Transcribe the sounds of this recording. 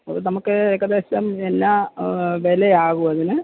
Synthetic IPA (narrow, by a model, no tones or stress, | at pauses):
ɐ̰ðɨnɐmukːɨekːɐðeːsɐmenːaʋeleaːɣuɐðinɨ